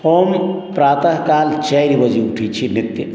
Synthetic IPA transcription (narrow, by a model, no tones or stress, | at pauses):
hompɾaːt̪aɦkalt͡ʃajɾibəd͡ʒiuʈʰit͡ʃʰinit̪ːjə